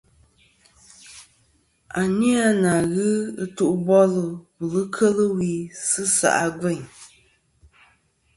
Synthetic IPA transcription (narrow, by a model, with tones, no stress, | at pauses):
a˨ni˦a˦na˨ɣɨ˦ɨ˦tu˦˨ʔbɔ˦lɨ˨wu˨lɨ˦kʰə˦lɨ˦wi˨˦sɨ˦sa̰˨ʔa˦ɡɛ˦˨ɲ